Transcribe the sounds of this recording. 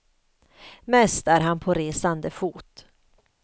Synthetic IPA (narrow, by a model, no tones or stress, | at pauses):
mɛst̪æːɾɦanpʰoɾeːsand̪əfuːt̪